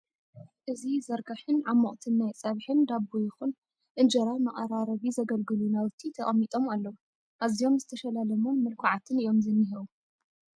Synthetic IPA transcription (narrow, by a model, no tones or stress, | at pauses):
ʔɨzizɐɾɡɐħɨnʕamːoʔʼt̪ʰɨnːajt͡sʼɐβħɨnd̪abujɪxun | ʔɨnd͡ʒɐɾajmɐχʼɐɾaɾɐβizɐɡɐlɡɨlunawɨt̪ʰit̪ʰɐχʼɐmːit̪ʼo̞malːɐwu | ʔazijo̞mzɨt̪ʰɐʃɐlalɐmunmɨlkʰaʕat̪ʰɨnɨjo̞mzɨnːɨɦɨβu